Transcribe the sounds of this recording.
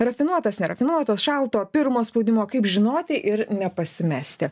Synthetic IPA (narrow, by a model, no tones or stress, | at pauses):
rɐfʲɪnuɔt̪ɐsnʲɛɾɐfʲɪnuɔt̪ɐsʃɑlˠt̪oːpʲɪɾmoːspoʊd̪ʲɪmoːkɐɪpʒʲɪnoːt̪ʲɪʔɪɾnʲɛpɐsʲɪmʲæːsʲt̪ʲɪ